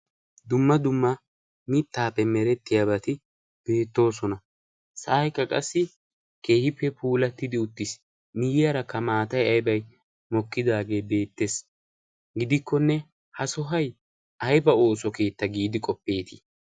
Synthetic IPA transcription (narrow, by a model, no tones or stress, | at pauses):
d̪ʊmːɐd̪ʊmːɐ | mɪt̪ːaːpːɛmɛɾɛt̪ːɪjabɐt̪ɪ | b̥e̞ːt̪ːo̞ːs̬ɔnɐ | sɐʔːjkːɐkʼɐ̰sːɪ | ke̞ːhɪpːɛpʰuːlɐt̪ːɪd̪ɪʊt̪ːɪs | mɪjɪjɐɾɐkɐmaːt̪ɐjɐjbɐj | mɔkːɪd̪aːɡe̞ːbe̞ːt̪ːe̞ːs | ɡɪd̪ɪkːɔnːɛ | hɐsɔɦɐj | ʔɐjbɐo̞ːsɔke̞ːt̪ːɐɡiːd̪ɪkʼɔpːe̞ːt̪ɪ̥